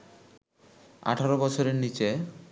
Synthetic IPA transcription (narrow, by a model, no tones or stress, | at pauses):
a̰ʈʰaɾobɔt͡ɕʰoɾeɾnit͡ɕe